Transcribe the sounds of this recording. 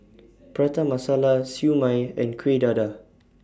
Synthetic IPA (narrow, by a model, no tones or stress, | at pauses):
pɹat̪amasalasjumãjɛ̃nkʰwedada